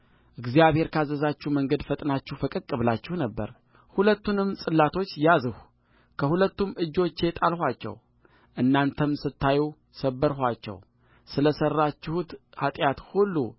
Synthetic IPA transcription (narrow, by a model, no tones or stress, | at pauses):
ʔɨɡzijaβhe̞ɾkʰazəzat͡ʃːuməŋɡəd̪fət̪ʼnat͡ʃːɪhfəkʼɨkʼːɨβlat͡ʃːɪhnəbːə̰ɾ | hulət̪ːunɨmsʼɨlːat̪ʰo̞t͡ʃːjazɨhu | kʰəhulət̪ːumɨd͡ʒːo̞t͡ʃːe̞t̪ʼalhʷat͡ʃːɛ̰w | ʔɨnːant̪ʰəmsɨt̪ːajiw | səbːəɾɦʷat͡ʃːɛ̰w | sɨləsərːat͡ʃːɪhut̪hat̪ʼjat̪hulːṵ